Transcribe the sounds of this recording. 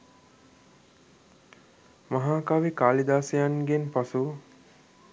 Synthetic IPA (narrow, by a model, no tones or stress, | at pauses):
maɦaːkaʋikaːlid̪aːsejanɡenpasu